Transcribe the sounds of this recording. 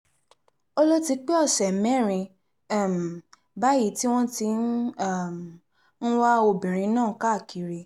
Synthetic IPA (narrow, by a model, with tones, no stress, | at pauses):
o˦lo˦ti˧k͡pe˦ɔ˦˨sɛ˨mɛ̃˦˨ɾ̃ĩ˧˨ | m̩˨ | ba˨˦ji˦ti˦w̃ɔ̃˦ti˧n˦˨m˨ | n̩˦wa˦o˧bĩ˨ɾ̃ĩ˧nãː˦˨ka˦˨ki˨ɾe˧